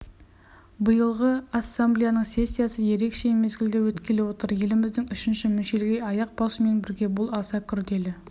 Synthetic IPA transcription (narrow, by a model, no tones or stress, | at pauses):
bəjəlˠʁəasːamblʲijanəɴsʲe̞sʲːijasəje̞ɾe̞kʃe̞me̞zɡʲɪld̪ɪwɵt̪kʲe̞le̞wo̞t̪əɾje̞lɪmɪzd̪ɪŋʏʃɪnʃɪmʏnʃe̞lɪɡʲejɑjɑq̚bɑsəme̞nbɪɾɡʲe̞bʊlˠɑsɑkʲʰʏɾd̪e̞lɪ